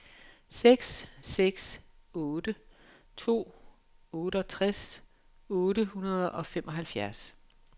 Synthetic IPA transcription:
seɡ̥sːeɡ̥s | ɔːd̥ə | t͡sʰo̝̰ː | ɔ̽ːɾəɒ̽t͡sʰʁas | ɔːɾəhunɐð̞ˠɒ̽femʔɒ̽ɦælfjæɐs

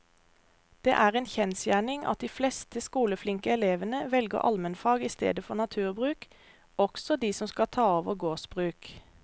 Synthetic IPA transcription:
d̪̥eːʔæːʁeːnçɛnsjæːɳɪŋɑ̰t̪̚d̪iːflɛst̪əskuːləflɪŋkəɛleːʋənəʋɛlɡə̰ʁʔɑ̰lmənfɑːɡiːst̪ḛːd̪əfɔʁnɑt̪ʰʉːʁbʁʉːk | ɔksɔd̪iːsɔmskɑt̪ʰɑːɔʋəɡoːsbʁʉːk

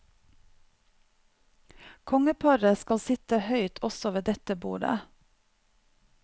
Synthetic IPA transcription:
kʰɔŋəpʰɑɾəskɑlsɪt̪əhœʏt̪ʰɔsɔʋeːd̪ɛt̪əbṵːɖə̰

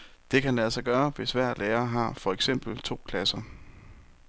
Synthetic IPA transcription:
d̥e̝kʰænlæsɑ̈ɪɡ̥ɶːɐʋe̝sʋæɐ̰lʔeːɐɦɑ̈fɒ̽eɡ̥sem̰b̥l̩t͡sʰo̝̰ːkʰlæsɐ

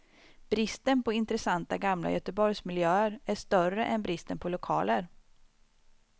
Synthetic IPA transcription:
b̥ɾɪst̪ənpʰɔɪnt̪ɾɛsant̪aɡamla̰jœt̪əbɔɾjsmɪljøːəɾæʂt̪œrəʔɛnbɾɪst̪ənpʰɔlʊkʰɑ̰ːləɾ

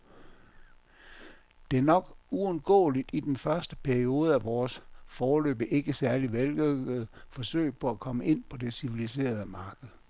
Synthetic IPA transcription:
d̥e̝æɐnɒ̽ɡ̥uɔ̽nɡ̥ɔ̰̽ːlid̥id̥enfɶɐsd̥əpʰæɐio̝ːð̞̩ˠəæʋɒːsfɒːlø̰ːb̥əʔe̝ɡ̥əsæɐliʋelløɡ̥əð̩ˠfɒ̽sø̰ɪ̰pʰɒ̽ækʰɒ̽məʔe̝n̰pʰɒ̽d̥e̝siʋilise̝̰ːɐð̞ˠəmɑ̈ːɡ̥əð̩ˠ

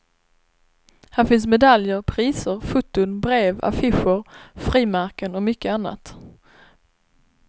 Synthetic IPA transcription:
hæːɾfɪnsmɛd̪aljəɾpʰɾiːsəɾfʊt̪ːʊnbɾeːva̰fɪɧəɾfɾiːmaɾkənɔmʏkːəanːa̰t̪

